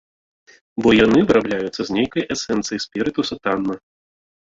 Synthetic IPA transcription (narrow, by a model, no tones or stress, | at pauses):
bɔjanɨvɨɾablʲajut̪sːɐzʲnʲejkɐjʔɛsɛnt̪sɨjɐjsʲpʲɛɾɨt̪usɐt̪anːɐ